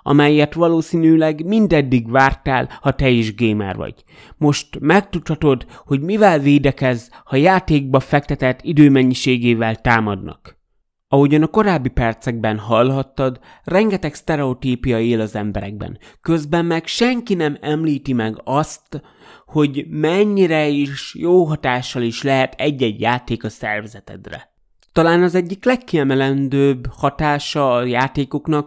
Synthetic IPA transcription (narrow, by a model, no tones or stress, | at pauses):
ɒ̰mɛjːɛt̪ʋɒloːsiːnyːlɛɡmind̪ɛd̪ːiɡvaːrt̪aːlhɒt̪ɛeːʒɡeːmɛ̰ːrvɒ̰ɟ̥ | mo̞ʃt̪mɛkt̪ut̪hɒt̪o̞d̪ho̞ɟmivɛlveːd̪ɛkɛzhɒjaːt̪eːɡ̚bɒfɛk̚t̪ɛt̪ɛt̪ːid̪øːmɛɲːiʃeːɡeːvɛlt̪aːmɒd̪nɒ̰k | ɒɦo̞ɟɒnɒko̞ɾaːbːipɛrt̪sɛɡ̚bɛnɦɒlɦɒt̪ːɒd̪ | rɛŋɡɛt̪ɛkst̪ɛɾɛo̞t̪iːpijɒeːlɒzɛmbɛɾɛ̰ɡ̚bɛ̰nkø̞zbɛmːɛkʃɛŋkinɛmɛmliːt̪imɛɡɒst̪ | ho̞ɟmɛɲːiɾɛiːʃjoːɦɒt̪aːʃːɒliʃlɛɦɛt̪ʰɛɟːɛɟjaːt̪eːkɒsɛ̰rvɛzɛt̪ɛ̰d̪rɛ̰ | t̪ɒlaːnɒzɛɟːiklɛkːiɛmɛlɛnd̪øːbhɒt̪aːʃɒɒjaːt̪eːko̞knɒk̚